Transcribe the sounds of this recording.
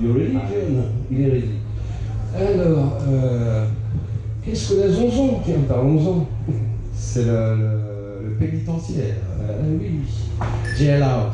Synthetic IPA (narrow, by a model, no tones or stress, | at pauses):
jɔʁeliʒɔnileʁedi | alɔːʁø | kɛskəlɛzɔ̃zɔ̃kiɛ̃p̪aɔ̃zɑ̃ | sɛlələ | ləpenit̪ɑ̃sjɛʁwi | ʒɛala